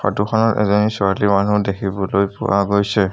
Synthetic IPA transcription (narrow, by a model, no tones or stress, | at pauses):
fa̰tuxɔnɔtɛ̰zɔnisɔalimanudekʰibɔlojpʊ̰waɡojsɛ